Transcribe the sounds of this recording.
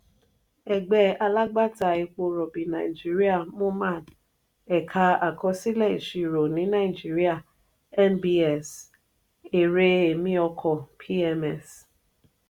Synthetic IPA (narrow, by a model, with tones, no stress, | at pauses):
ɛ˨ɡ͡bɛ˨a˦la˦ɡ͡ba˦ta˨i˨kʷo˧ɾɔ˨bi˨na̰˨i˨d͡ʒi˦ɾi˦a˦˨mũ˦ma˦˨n˨ | ɛ˨kʰa˦a˨kʰɔ˦si˦lɛ˦˨i˨ʃi˨ɾo˨nĩ˨˦na˦˨i˨d͡ʒi˦ɾi˦a˦˨ | ɛ˦nbi˦ɛ˨s | e˨ɾe˦e˨mĩ˦ɔ˧kʰɔ˨pʰi˦ɛ˦mɛ˦˨s